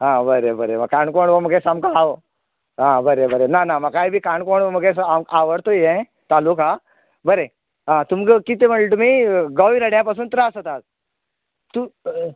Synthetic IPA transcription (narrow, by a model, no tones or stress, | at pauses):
ɦãbəɾebəɾeməkaɳkoɳɖʋoməɡẽsamkaa | ɦãbəɾebəɾenanaməkaibʱiːkaɳɖkoɳoməɡẽsamaʋəɽt̪ojẽ | t̪aluka | bəɾe | ɦãt̪umɡəkit̪eməɳɭʈ̪umiːɡaʋiɾəɽjapas̬uːnt̪ɾasət̪at̪̚ | t̪u